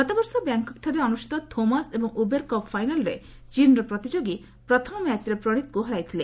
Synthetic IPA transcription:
ɡɔt̪abɔɾsɔbɛŋkɔk̚ʈʰaɾeɔnuʃi̥t̪ɔt̪ʰomasebɔŋubeɾkɔpfajnalɾḛ | t͡ʃinɾɔpɾɔt̪id͡ʑoɡi | pɾɔt̪ʰɔmɔmɛt͡ɕɾepɾoɽ̃it̪̚kuɦɔɾajt̪ʰile

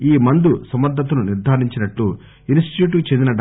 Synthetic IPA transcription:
iːmɐnd̪usɐmɐɾd̪ʱɐt̪̬ɐnuniɾd̪ʱaːɾiɲt͡ʃinɐʈlu | insʈi̥t̪juːʈ̬kut͡ʃend̪inɐɖ

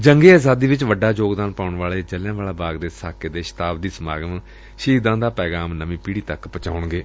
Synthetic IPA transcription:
d͡ʒəŋɡeːaːzaːd̪iːʋɪt͡ʃʋəɖaːd͡ʒoːɡd̪aːnpaːʊɳʋaːleːd͡ʒəljãːʋaːlaːbaːɡd̪eːsaːkeːd̪eːʃɪ̥t̪aːbd̪iːsmaːɡənː | ʃiːd̪ãːd̪aːpɛːɡaːmnəʋĩːpiːɽiːt̪əkpət͡ʃa̰ːʊɳɡeː

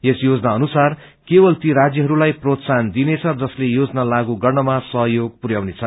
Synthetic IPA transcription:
jesjod͡zʌnaʌnusar | kebʌlt̪iɾad͡zjʌɦʌɾulajprot̪sand̪inet͡sʰʌd͡zʌslejod͡znalaɡuɡʌrnʌmasʌɦjoɡ̚puɾjawnet͡sʰʌ

